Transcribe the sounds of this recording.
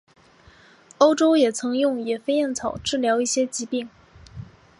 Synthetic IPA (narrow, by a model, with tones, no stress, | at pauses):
o˥ʊʈ͡ʂo˥ʊjɛ˨˩t͡sʰɤ˧˥ŋjʊ˥˩ŋjɛ˨˩fe˥ɪjɛ˥˩nt͡sʰɑ˨˩ʊʈ͡ʂɻ̩˥˩ljɑ˧˥ʊi˥˩ɕjɛ˥t͡ɕi˧˥pi˥˩ŋ